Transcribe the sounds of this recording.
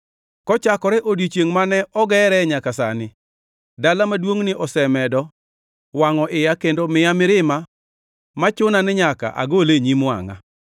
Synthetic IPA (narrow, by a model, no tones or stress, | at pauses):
kɔt͡ʃakɔɾɛʔodit͡ʃjeŋmanɛʔɔɡɛɾɛɲakasa̰nɪ | dalamadwoŋnɪʔɔsɛmɛdɔ | waŋɔʔɪjakendomɪjamɪɾɪma | mat͡ʃʊnanɪɲaka̰ʔa̰ɡoleɲima̰ŋa̰